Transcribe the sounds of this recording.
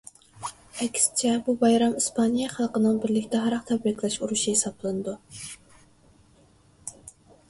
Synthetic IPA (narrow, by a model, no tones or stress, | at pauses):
ɛkʲsɪ̥t͡ʃʰɛbubɑjɾɑmispʰɑnijɑχɑlˠqənɨŋbɪɾlɪkʲt̪ʰɛɦɑɾɑqt̪ʰɛbɾɪkʲʰlˠɛʃuɾuʃihesɑplˠɨnɨd̪u